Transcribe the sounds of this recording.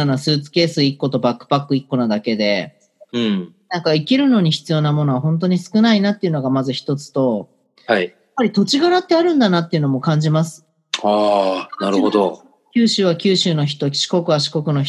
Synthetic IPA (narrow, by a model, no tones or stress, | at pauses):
anasɨːt͡sɨ̥ke̞ːsɨikːo̞t̪o̞bakːɯ̟̥pakːɯ̟ikːo̞nad̪ake̞d̪ẽ̞ | nãŋkaikʲiɾɯ̟no̞ɲ̟içi̥t͡sɨjo̞ːnamo̞noaɦõ̞nt̪̬o̞ɲ̟isɨ̥kɯ̟nainat̪ːe̞iɯ̟no̞ɡamazɨçi̥t̪o̞t͡sɨ̥t̪o̞ | haijapːaɾʲit̪o̞t͡ɕiɡanat̪ːe̞aɾɯ̟̃nd̪anat̪ːeɯ̟no̞mo̞kãɲ̟d͡ʑimasɨ̥ | aːnaɾɯ̟hod̪o̰ | kʲɨːɕɨːβakʲɨːɕɨːno̞çi̥t̪o̞ɕi̥ko̞kɯ̟βaɕi̥ko̞kɯ̟no̞ç